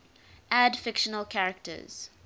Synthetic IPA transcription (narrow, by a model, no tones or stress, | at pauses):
ʔædfɪkʃənəlkʰaɹək̚tə̰z̥